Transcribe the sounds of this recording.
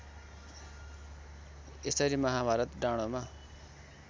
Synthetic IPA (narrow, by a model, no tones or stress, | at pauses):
esʌɾimʌɦãbʱaɾʌt̪ɖaɽ̃oma